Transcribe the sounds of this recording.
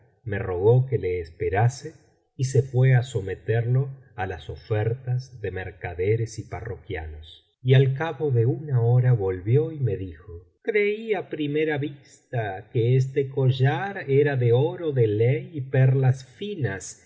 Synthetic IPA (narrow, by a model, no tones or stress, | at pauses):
me̞ro̞ɣ̞o̞keleːspeɾase | isefweaso̞me̞t̪eɾlo̞ | alaso̞feɾt̪azðe̞meɾkaðeɾesipa̰rokja̰nos | ialkaβoðe̞unaoɾaβo̞lβjo̞ime̞ðixo | kɾeiapɾimeɾaβist̪akees̬t̪ekoʒaɾeɾaðeoɾoðelejiperlasfinas